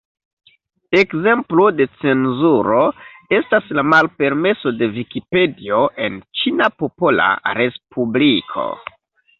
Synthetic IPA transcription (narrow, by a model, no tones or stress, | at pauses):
e̞kze̞mplode̞t͡se̞nzuɾo̞e̞staslamalpe̞ɾme̞so̞de̞vikipe̞dio̞ʔe̞nt͡ʃinapo̞po̞la̰ɾe̞spublikʰo̞̰